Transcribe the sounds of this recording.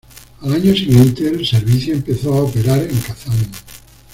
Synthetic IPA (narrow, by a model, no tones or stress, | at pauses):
alaɲosiɣjẽ̞nt̪elseɾβiθjoempeθoaopeɾaɾeŋkaθan